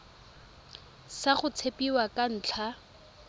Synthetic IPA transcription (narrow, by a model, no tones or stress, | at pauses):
saχʊt͡sʰepiwakan̩ːt͡ɬʰa